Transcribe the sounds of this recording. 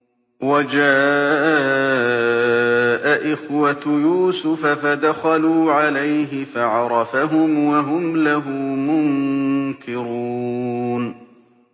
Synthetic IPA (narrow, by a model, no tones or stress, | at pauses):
wad͡ʒaːʔ | ʔaʔɪxwat̪juːsʊfafad̪axaluːʕalajɦɪfaʕɑɾˤɑfaɦʊmwaɦʊmlaɦʊːmʊŋkɪɾuːn